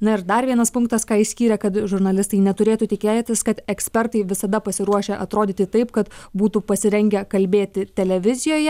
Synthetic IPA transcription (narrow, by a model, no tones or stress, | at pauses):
nɐɪɾd̪ɐɾʋʲiɛnɐspʊ̃ŋk̚t̪ɐskɑːisʲkʲiːɾʲɛkɐt̪ʒʊɾnɐlʲɪst̪ɐɪnʲɛt̪ʊɾʲeːt̪uːt̪ʲɪkʲeːt̪ʲɪskɐt̪ɛksʲpʲɛɾt̪ɐɪʋʲɪsɐd̪ɐpɐsʲɪɾuɔʃʲeːʔɐt̪ɾoːd̪ʲiːt̪ʲɪt̪ɐɪpkɐt̪buːt̪upɐsʲɪɾʲɛŋʲɡʲɛkɐlʲbʲeːt̪ʲɪt̪ʲɛlʲɛʋʲɪzʲɪjoːjɛ